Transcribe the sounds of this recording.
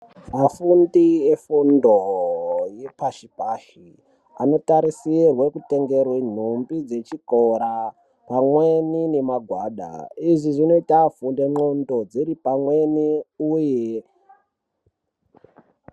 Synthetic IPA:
mafundiefundo | jepaʃipaːʃi | a̰no̞taɾisirwekute̞ŋɡe̞rwen̤umbid͡ze̞t͡ʃikoɾa | pamwenine̞maɡʱwaːɗa̰iʐiʐino̞itafundeŋ͡ǃondo̞d͡ziɾipamweniuje

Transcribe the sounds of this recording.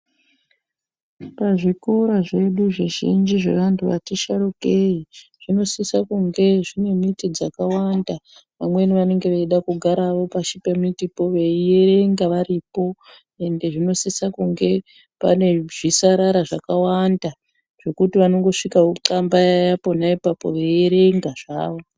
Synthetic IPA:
paʐiko̞ɾaʐe̞ɗuʐiʒḭnd͡ʒiʐe̞̰ʋantʰuʋa̰tiʃaɾukeiʐ̥ino̞sisakuŋɡe̞ʐine̞mitid͡zakawandaʋamwe̞niʋane̞ŋɡe̞ʋeiɗakuɡʱaɾaʋo̞paʃipemitipo̞ʋe̞iereŋɡaʋaɾipo̞ | e̞nde̞ʐino̞sisakuŋɡe̞ | pa̰ne̞ʐ̥isaɾaɾaʐakawanda | ʐ̥o̞kutiʋano̞ŋɡo̞ʂikauǃambajajapo̞naipapo̞̰ʋejeɾe̞ŋɡaʐ̥aːʋo̞

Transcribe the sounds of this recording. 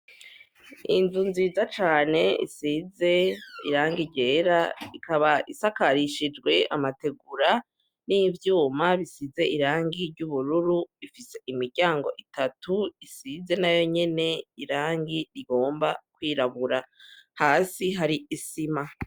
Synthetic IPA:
ḭnzunzizat͡ʃaːne̞ḭsize̞iɾaːŋɡiɾɟe̞ːɾaikʰaβaʔisakaɾiʃid͡ʒɡwe̞amate̞ɡuɾa | nivjuːmaβisize̞ʔiɾaːŋɡiɾɟuβuɾuɾuifise̞ʔimiɾɟaːŋɡo̞̰ʔitatuisize̞najo̞ɲe̞ne̞iɾaːŋɡiɾiɡo̞ːmbakwiːɾaβuɾahaːsiɦaɾiisima

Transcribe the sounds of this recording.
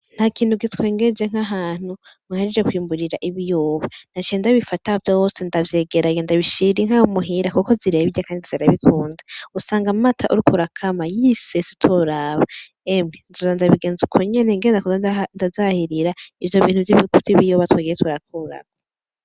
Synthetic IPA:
n̥hakiːnuɡitkweːŋɡed͡ʒeŋ̥aɦaːn̥u | maheɾed͡ʒekwiːmbuɾiɾaʔiβijoːβan̥at͡ʃendaβifatahovjowosendavje̞ːɡeɾajendaβiʃiɾieŋ̥hahumuɦiɾakuko̞ziɾeβiakaːndiziɾaβikʰuːndausaːŋɡamatʰaʔuɾikuɾakʰamajisesi̥tʰoɾaːβa | emŋenzozandaβiɡe̞ːnzukʰoɲe̞neŋɡeːndakuzndazahiɾiɾaivjo̞βiːnhuviβikutiβijoβatwaːɡijetuɾakʰuɾa̰ɡa

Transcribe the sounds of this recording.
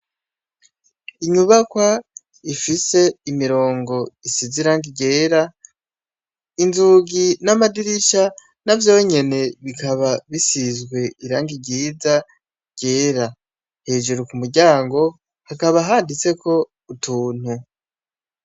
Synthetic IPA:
iɲuβakwa | ifise̞imiɾo̞ːŋɡo̞isiziɾaːŋɡiɟe̞ːɾa | inzuɡinamadiɾiʃa | navjoweɲe̞ne̞βikaβaβisizɡwe̞iɾaːŋɡiɟiːza | ɟ̥e̞ːɾa | he̞ːʒuɾukumuɾɟaːŋɡo̞ | hakaβaɦaːndit͡se̞kʰo̞ | utʰuːn̥hu

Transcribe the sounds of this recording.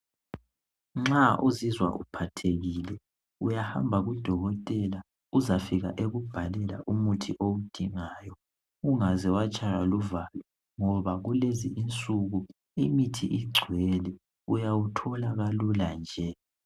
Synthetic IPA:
ŋ͡ǁaʔuzizwa̰ʔṵpʰatʰeɣilɛ | ujaha̰mbʱaɣud̥ʱɔɣɔtʼɛla | uzafiɣa̰ʔeɣub̥ʱalɛla̰ʔumutʰiʔowud̥ʱiŋaːjɔ | uŋazɛwat͡ʃʼajaluvalɛ | ŋɔβaɣuleziʔint͡sʼuɣu | imitʰḭʔiɡ͡ǀʱwɛlɛ | ujawutʰɔlaɣaluland͡ʒʱɛ

